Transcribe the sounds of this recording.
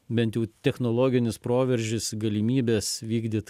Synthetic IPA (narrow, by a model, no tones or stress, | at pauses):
bʲɛnt̪jɛʊt̪ʲɛxnoːlˠoːɡʲɪnʲɪspɾoːʋʲɛɾʲʒʲɪsɡɐlʲimʲiːbʲeːsʋʲiːɡd̪ʲɪːt̪